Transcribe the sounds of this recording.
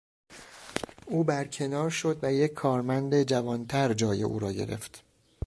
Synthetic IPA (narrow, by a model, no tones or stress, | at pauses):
uːbæɾcʰe̞nɒːɾʃo̞d̪væje̞cʰːɒːɾmænd̪ed͡ʒævɒːnt̪ʰæɾd͡ʒɒːje̞̰ʔṵːɾɒːɟe̞̰ɾe̞̰ft̪